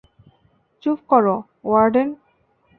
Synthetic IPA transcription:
t͡ɕupkɔɾo | waɾɖen

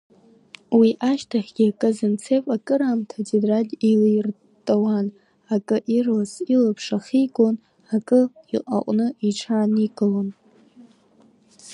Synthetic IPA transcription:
wiʔaʃtʰaχʲɡʲiakʼɨzɨnt͡sʰepʼakʼɨɾaːmtʰadidralʲilijr | tʼawan | akʼɨʔirasilapʰʂaχʲiɡon | akʼɨiqʼa̰qʷʼnɨiʈ͡ʂʰaːniɡʼɨlon

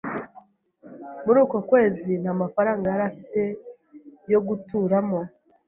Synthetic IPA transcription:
muɾuːko̞kwe̞ːzin̥haːmafaɾaːŋɡajaɾafite̞ | jo̞ɡutuːɾamo̞

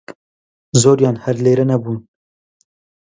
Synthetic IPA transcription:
zoːɾjɑːnhɐɾleːɾɐnɐbuːn

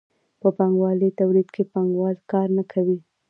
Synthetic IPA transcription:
pəpaŋɡwɑlit̪awɾid̪kepaŋɡwɑlkɑɾnakʰawi

